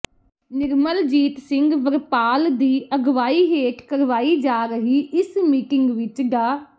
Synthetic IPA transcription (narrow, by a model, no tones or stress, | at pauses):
nɪɾməld͡ʒiːt̪sɪ̃ŋɡʋəɾpaːld̪iːəɡʋaːiːɦeːʈkəɾʋaːiːd͡ʒaːɾəɦiːʔɪsmiːʈɪŋɡʋɪt͡ʃɡaː